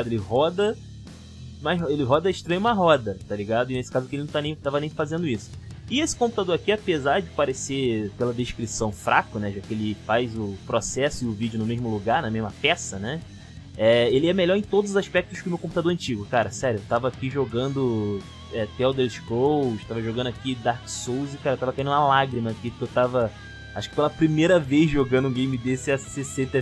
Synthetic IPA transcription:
ad̪ʊelɪɦɔd̪ɐ | majzelɪɦɔd̪ɐɪʃt̪ɾɐ̃ɲũmɐɦɔd̪ɐt̪aliɡad̪ʊɪnesɪ̥kazʊkɪelɪnɐ̃w̃t̪anẽj̃t̪avɐnẽj̃fazẽnd̪ʊisʊ̥ | ɪesɪ̥kõpu̥t̪ad̪oɾakiapezaɾd͡ʒɪpaɾesepelɐd̪eʃkɾisɐ̃w̃fɾʔakʊnɛʒakɪelɪfajzʊpɾosɛsʊɪʊvid͡ʒʊnʊmeʒmʊluɡaɾnɐmeʒmɐpɛsɐnɛ | ɛelɪɛmeʎɔɾẽj̃t̪od̪ʊzʊzaʃpɛk̚t̪ʊʃkɪʊmewkõput̪ad̪oɾɐ̃nt͡ʃiɡʊkaɾɐsɛɾjʊewt̪avɐakiʒoɡɐ̃nd̪ʊ | ɛt̪eɛwd̪eɾʃkowʃt̪avɐʒoɡɐ̃nd̪akid̪aɾksowzɪkaɾɐewt̪avɐkaĩñmɐlaɡɾimɐːkiewt̪avɐ | aʃʊkɪ̥pelɐpɾimejɾɐvejzʒoɡɐ̃nd̪ʊɡẽj̃mɪd̪esɪɐsesẽt̪ɐ

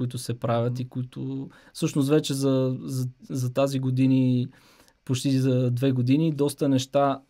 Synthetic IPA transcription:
it̪ʊsɛpɾavʲət̪ikoit̪ʊ | sɤʃnost̪vɛt͡ʃɛzɐzɐzɐt̪aziɡod̪ini | pot͡ʃt̪izɐd̪vɛɡod̪inid̪ɔst̪ənɛʃt̪a

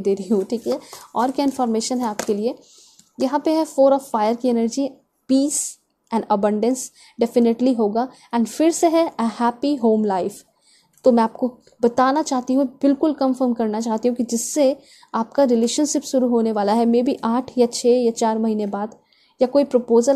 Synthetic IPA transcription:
d̪eːɾiɦũʈʰiːkɦɛɔːɾkjaɪ̃nfɔːɾmeːʃənɦɛaːpkelie | jɐɦãpeɦɛfoːɾɔːfːaːjəɾkiɛnəɾd͡ʒi | piːs | ɛ̃ːɳɖɐbɐ̃ɳɖə̃ns | ɖɛfɪneʈliɦoːɡaː | ɛ̃ːɳɖfɪɾseɦɛəhɛːpiɦoːmlaɪf | t̪omɛ̃aːp̚ko | bɐt̪aːnat͡ʃaːɦt̪iɦũbɪlkʊlkɐ̃mfəɾmkɐɾnat͡ʃaːɦt̪iɦũkid͡ʒɪsːe | aːp̚kaɾɪleːʃənʃɪpʃʊɾuɦoːneʋaːlaɦɛmẽːbʱiʔaːʈʰjat͡ʃʰeːjat͡ʃaːɾmɐɦiːnebaːd̪ | jakoːipɾopoːzəl

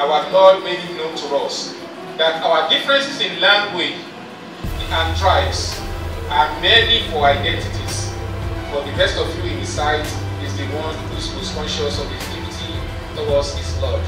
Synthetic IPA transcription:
awalɔmekĩŋnõʊ̃ntʰuɔs | ðataʊədifɹɛ̃nsɪsĩnlãndwe | ãntʰɹ̥aɪbsamɛlifɔaɪdɛ̃ntitiz̥fɔðɨbɛstɔvjuĩnðisaɪt | izðɨwɔ̃nʰ | ususɔ̃nʃɔsɔvɛktʰivitʰi | θoɔsislɔd

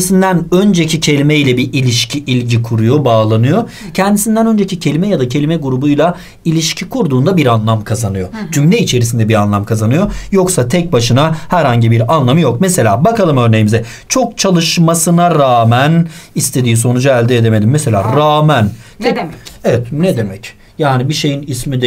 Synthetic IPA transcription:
sind̪ænø̞nd͡ʒecʰicʰe̞lʲimejlʲɛbiʔilʲiʃcʰiʔilʲɟikʰuɾujo̞baːlˠanɯjo̞cʰɛnd̪isind̪ænø̞nd͡ʒecʰicʰe̞lʲimɛjad̪acʰe̞lʲimɛɡuɾubujlˠa | ilʲiʃcʰikʰuɾd̪uːnd̪abiɾanlˠamkʰazanɯjo̞d͡ʒymlʲɛit͡ʃʰe̞ɾisind̪ɛbiɾanlˠamkʰazanɯjo̞jo̞ksat̪ʰɛc̚baʃɯnahæɾhaɲɟibiɾanlˠamɯjo̞k̚mɛse̞lʲa̰ːbakalˠɯmø̞ɾnejimizɛ | t͡ʃʰo̞k̚t͡ʃʰalˠɯʃmasɯnaɾaːmænist̪ʰe̞d̪iːs̬o̞nud͡ʒaælʲd̪ɛed̪eme̞d̪imːɛse̞lʲa̰ːɾaːmæn | t̪ɛevɛt̪ned̪emɛc | jaːnibiʃe̞jinismid̪

